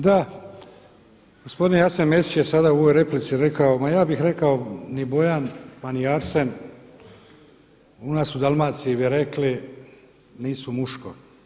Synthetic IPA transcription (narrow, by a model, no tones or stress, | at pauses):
d̪a | ɡ̥ospo̞d̪injasenme̞sit͡ʃjesad̪auoʋojɾe̞plit̪siɾe̞kaomajaːbixɾe̞kaonibo̞janmaniaɾsen | unaːsud̪alˠmaːt̪siiʋiɾe̞kli | niːsumuʃko̰